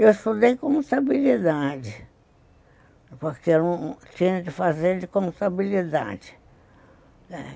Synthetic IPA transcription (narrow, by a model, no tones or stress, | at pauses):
ewɪst̪ud̪ejkõmist̪abilid̪ad͡ʒɪ | poɾkeɾũt͡ʃĩɲɐ̃kɪfazeɾd͡ʒɪkõmist̪abilid̪a̰d͡ʒɪ̥ | ɛ